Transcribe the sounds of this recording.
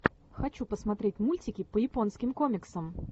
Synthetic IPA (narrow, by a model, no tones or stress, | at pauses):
xɐt͡ɕupəsmɐt̪ɾʲetʲmulʲtʲɪkʲɪpəjɪponskʲɪmkomʲɪksəm